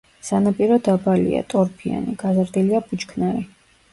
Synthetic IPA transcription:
sanapʼiɾɔd̪abalḭa̰t̪ʼɔɾpʰia̰niɡ̥azɾd̪iliabut͡ʃkʰnaɾi

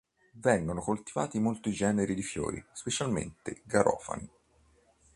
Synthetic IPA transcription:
vɛŋɡonokolt̪iva̰ːt̪imolt̪id͡ʒɛːneɾid̪ifjo̰ːɾḭspet͡ʃalmḛnt̪eɡaɾɔ̰ːfa̰ni

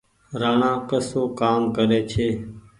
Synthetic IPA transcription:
ɾaːɳãːkəsoːkaːmkəɾeːt͡ʃʰeː

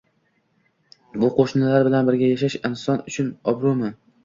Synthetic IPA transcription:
bʊqʰoʃnɪlaɾbɪlanbɪɾɡʲajaʃ̬aʃɪnsɒnʊt͡ʃʰʊnɒbɾʊmɪ

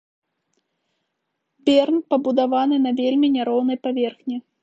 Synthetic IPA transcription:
bʲɛrnpɐbud̪avanɨnɐvʲelʲmʲinʲaɾɔwn̪ɐjpavʲɛrxnʲi

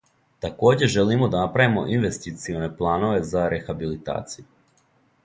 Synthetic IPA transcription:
t̪ako̞ːd͡ʑe̞ʒe̞limo̞d̪anapɾajimo̞̰ʔinʋe̞st̪it̪sione̞plˠaːno̞ʋe̞zaɾe̞xabilit̪a̰ːt̪siju

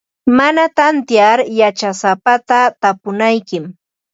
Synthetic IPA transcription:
manat̪ant̪jaɾjat͡ʃasapat̪at̪apʊnajkɪm

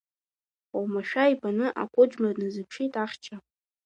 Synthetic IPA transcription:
owmaʃᶣaipʰʼanɨʔa̰kʷʼʊd͡ʒmarnɨzɨpʰʂijtʼaχʲt͡ʃʰa

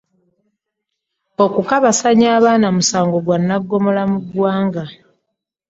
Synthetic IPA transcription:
o̞kukaβasaɲaːβaːnamusaːŋɡo̞ɡwanːaɡːo̞mo̞lamuɡwaːŋɡa

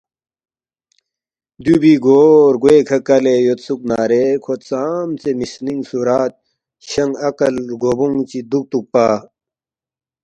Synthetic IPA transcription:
d̪jubiɡoːɾɡoekʰɐkɐlejot̪suk̚naːɾekʰot̪̚t͡saːmt͡semisniŋsuɾaːt̪̚ | ɕɐŋɡɐkɐlɡoːbuŋt͡ɕid̪uk̚t̪uk̚paː

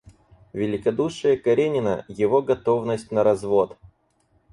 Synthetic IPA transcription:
vʲɪlʲɪkɐd̪uʂɨjəkɐɾʲenʲɪnə̰jɪvo̞ɡɐt̪o̞vnəsʲtʲnəɾɐzvo̞t̪

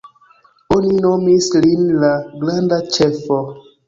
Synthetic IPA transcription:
oninomislinlaɡlandat͡ʃefo

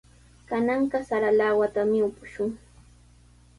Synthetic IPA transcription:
kanɑɴɢɑsaɾalawat̪amɪʊpʊʃʊŋ

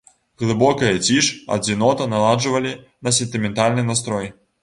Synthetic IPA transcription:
ɣlˠɨbɔkɐjɐt͡sʲiʂɐ̰d͡zʲinɔt̪ɐnalˠad͡ʐɨvɐlʲi | nɐs̬ʲɛnt̪ɨmʲɛnt̪alʲnɨnast̪ɾɔj

